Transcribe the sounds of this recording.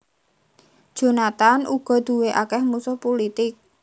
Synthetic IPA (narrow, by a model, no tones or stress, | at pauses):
d̥ʒ̥o̤nat̪anʔuɡ̥ɔ̤d̪̥ṳweʔakɛhmusʊhpulit̪ɪk̚